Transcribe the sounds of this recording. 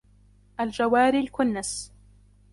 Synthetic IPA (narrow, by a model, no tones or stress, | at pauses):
ʔald͡ʒawaːɾilkʊnːas